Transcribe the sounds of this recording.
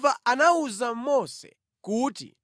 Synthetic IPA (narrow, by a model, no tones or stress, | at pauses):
vaʔanauzammɔsɛ̰ | kuːtḭ